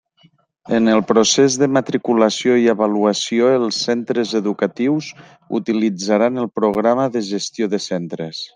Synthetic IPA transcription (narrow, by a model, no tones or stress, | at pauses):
ənəlˠpɾosezðəmat̪ɾikuləsioiəβaluəsioəlˠsːent̪ɾəzəðukət̪iwz | ṵt̪ilid͡zaɾanəlˠpɾuɣ̞ɾaməðəʒəst̪joðəsent̪ɾəs